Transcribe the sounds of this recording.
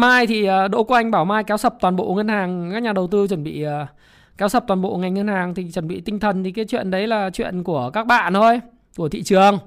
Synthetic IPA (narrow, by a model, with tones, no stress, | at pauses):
maː˧jt̪ʰi˨˩ʔəː˨˩ɗo̰˧˥ku˧˩ʔa˧jŋ̟ɓaː˧˩wmaː˧jkɛ˨˦wsə˨˩p̚t̪waː˨˩nɓo̰˧˨ŋə˧nhaː˨˩ŋkaː˦˥k̚ɲaː˨˩ɗə˨˩wt̪ɨ˧t͡ɕwə˧˩nɓḭ˧˨əː˨˩ | kɛ˨˦wsə˨˩p̚t̪wːmɓo̰˧˨ŋa˨˩jŋ̟ŋə˧nhaː˨˩ŋt̪ʰi˨˩t͡ɕwə˧˩nɓḭ˧˨t̪ï˧ŋt̪ʰə˨˩nt̪ʰi˨˩kaː˨˦jt͡ɕwḭ˧˨ənɗə˨˦jlaː˨˩t͡ɕwḭ˧˨ənku˧˩əkaː˦˥k̚ɓa̰ː˧˨nt̪ʰo˧j | ku˧˩ət̪ʰḭ˧˨t͡ɕɨ˨˩əŋ